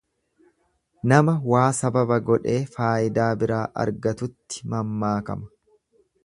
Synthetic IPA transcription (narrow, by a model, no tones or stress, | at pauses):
nɐmɐwaːsɐbɐbɐɡɔᶑe̞ːfaːʔɪd̪aːbɪɾaːʔɐ̰ɾɡɐt̪ʊt̪ːɪ̥mɐmːaːkɐ̰mɐ̥